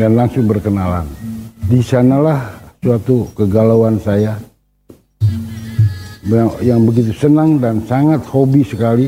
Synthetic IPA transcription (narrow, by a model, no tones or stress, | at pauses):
danlaŋsʊŋbərkənala̰ndisanalahsuat̪ukəɡalawansaja | jaŋbəɡit̪usənaŋdansaŋat̪̚hobisəkali